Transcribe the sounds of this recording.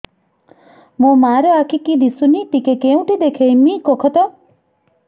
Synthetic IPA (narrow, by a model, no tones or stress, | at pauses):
mũmaɾeakʰikid̪isuniʈikekeũʈid̪ekʰejmikokʰɔt̪a